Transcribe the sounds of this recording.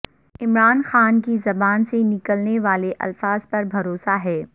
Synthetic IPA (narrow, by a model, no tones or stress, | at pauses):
ɪmɾaːnxaːnkizɐbaːnsenɪkəlneʋaːleʔɐ̰lfaːz̥pɐɾbʱɐɾoːsaɦɛː